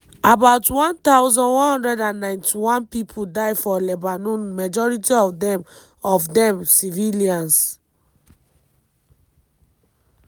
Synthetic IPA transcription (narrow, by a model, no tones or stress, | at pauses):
abaʊtwɔ̃ntawzɔ̃nwɔ̃nhɔ̃ndɹɛdãnːãj̃ntʰiwɔ̃npipʰudaɪfɔlɛbanũnmad͡ʒɔɹitiɔfdɛ̃m | ɔfdɛ̃msiviliãns